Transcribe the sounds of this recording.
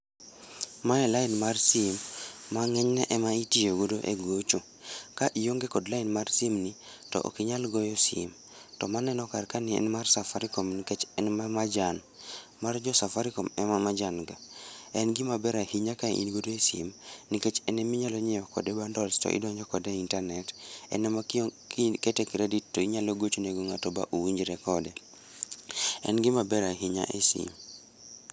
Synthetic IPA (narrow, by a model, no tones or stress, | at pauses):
maɛlainmarsimːaŋɛɲnɛʔɛmaitijoɡodoʔḛɡot͡ʃo | kaʔijoŋɡekɔdlainmarsimnitɔ̰ʔo̰kiɲalɡɔjɔsḭm | tɔmanɛnɔkarkanɪɛ̰nmarsafaɾikomniket͡ʃɛnmamad͡ʒan | mard͡ʒɔsafaɾikomɛmamad͡ʒanɡaɛnɡimabɛɾahiɲakaʔḭnɡodoesḭmniket͡ʃɛnɛmiɲaloɲɛjɔkɔ̰dɛbandɔlstɔ̰ʔḭdɔɲɔkɔdɛintarnɛtɛ̰nɛma | ketɛkɾeditːoiɲaloɡot͡ʃoneɡoŋatɔba̰ʔowiɲd͡ʒɾɛkɔdɛ | ɛ̰nɡɪmabɛɾaɦiɲa̰ʔesḭm